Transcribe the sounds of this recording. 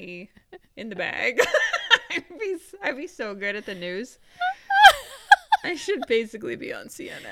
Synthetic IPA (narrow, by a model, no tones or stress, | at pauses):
ɨ̃nðɨbæ̰ɡ̥ | ɪbisaɪbisoʊɡʊɾɨt̪̚ðɨnʉz̥ | aɪʃɨd̚beɪsɨklibḭə̰̃nsḭɛ̰n̰